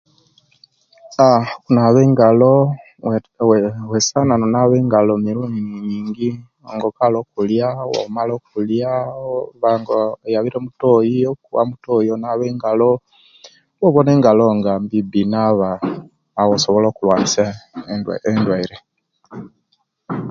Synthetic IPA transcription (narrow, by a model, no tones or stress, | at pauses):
akunaβeːŋɡalo | wesananonaβeːŋɡalomiɾuɲiːŋɡi | oŋɡokalokuljawo̰malokuljaβaŋɡojaβiɾemutojiokuβa̰mutojonaβeŋɡalo | woβoneːŋɡaloŋɡambibinaβaː | wosoβoloːkulwaːnisa | endwaiɾe